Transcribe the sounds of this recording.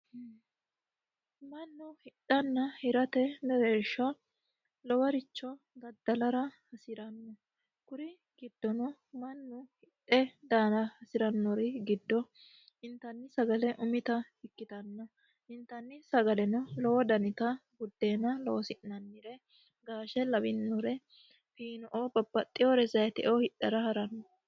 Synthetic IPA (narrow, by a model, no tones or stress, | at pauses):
mɐnːʊhɪɗɐnːɐhɪɾɐt̪ɛmɛɾeːʃːɐ | lɔwɐɾɪt͡ʃːɔ | ɡɐd̪ːɐlɐɾɐhɐsɪɾɐnːɔ | kʊɾɪ | ɡ̥ɪd̪ːɔnɔ | mɐnːʊhɪᶑɛd̪aːnɐhɐsɪɾɐnːɔɾɪɡɪd̪ːɔ | ɪnt̪ɐnːɪsɐɡɐlɛʔʊmɪt̪ɐhɪkːɪt̪ɐnːɔ | ɪnt̪ɐnːɪsɐɡɐlɛnɔlɔwɔd̪ɐnɪt̪ɐɡʊd̪ːe̞ːnɐloːsɪnːɐnːɪɾɛ | ɡaːʃɛlɐbɪnːɔɾɛ | fiːnɔʔobɐbːɐt̪ʼːɪjoɾɛzɐjɛt̪ɛ̰ʔohɪʔːɐɾɐhɐɾɐnːɔ